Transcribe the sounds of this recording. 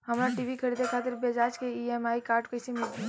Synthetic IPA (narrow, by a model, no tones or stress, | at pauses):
hɐmɾaʈiːʋikʰɐɾiːd̪ekʰaːt̪ɪɾbed͡ʒaːd͡ʒkeiɛmaːikaːɾʈkɐɪsemɪlt̪i